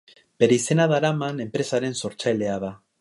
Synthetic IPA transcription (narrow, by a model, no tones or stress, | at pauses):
b̥e̞ɾeise̞naðaɾamane̞mpɾe̞saɾe̞nso̞ɾt͡sajle̞aða